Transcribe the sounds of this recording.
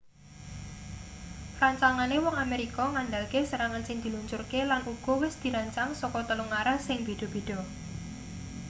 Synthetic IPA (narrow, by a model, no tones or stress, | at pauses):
raɲt͡ʃaŋanewɔŋameɾikɔŋanɖalkesəɾaŋansɪŋd̪̥i̤luɲt͡ʃʊrkelanʔuɡ̥ɔ̤wɪsd̪̥i̤ɾaɲt͡ʃaŋsɔkɔt̪əluŋaɾasɪŋb̥e̤d̪̥ɔ̤b̥e̤ɖ̥ɔ̤